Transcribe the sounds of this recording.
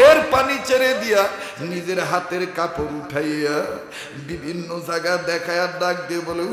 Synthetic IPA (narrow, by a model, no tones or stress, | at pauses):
eɾpanit͡ʃeɾed̪ijanid͡ʒeɾɦat̪eɾkapoɾuʈʰajeja | bibʱinːod͡ʒaɡad̪ɛkʰajadak̚d̪ebole